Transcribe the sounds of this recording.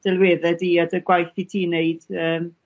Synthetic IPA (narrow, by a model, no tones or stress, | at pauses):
d̥ɛlˠwɛðɛdiadəɡwajθitʰiːneɨd̥əːm